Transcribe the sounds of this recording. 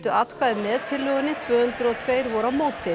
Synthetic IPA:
t̪ʏat̪kʰvaðɪmɛðt̪ʰɪlːœːɣʏnɪt̪ʰvœːhʏnt̪ɾʏɔɣt̪ʰveːjɾvɔɾawmoːwt̪ɪ

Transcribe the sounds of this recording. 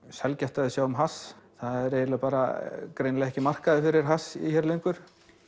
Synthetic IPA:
sɛlcaht̪aðɪsjaːwʏmɦasθaðɛɾejðɪlapaːɾa̰kɾejnlɛɣɛhcɪmar̥kaðɪfɪɾɪɾ̥ɦasḭçɛːɾlejŋkvʏɾ̥

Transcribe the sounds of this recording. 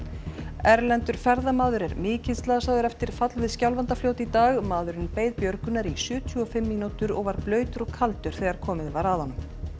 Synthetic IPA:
ɛɾlɛnt̪ʏɾ̥fɛɾðamaːðʏɾɛɾmɪːcɪnst̪laːðasaːwðʏɾɛft̪ɪɾ̥fat̪lvɪðscawlvant̪afloːwt̪it̪aːɣmaːðʏɾɪnpeːjðpjœɾkʏnːaɾisʏːt̪ʰuɔfɪmːiːnut̪ʏɾɔɣvaɾplœːɥt̪ʏɾɔɣkʰalt̪ʏɾ̥θɛɣaɾ̥kʰɔːmɪðvaɾaðhɔnːʏm

